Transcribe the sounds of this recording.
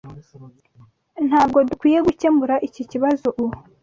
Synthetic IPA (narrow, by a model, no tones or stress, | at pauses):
n̥haːb̚ɡo̞dukwiːje̞ɡucembuɾaʔiciciβazo̞ʔu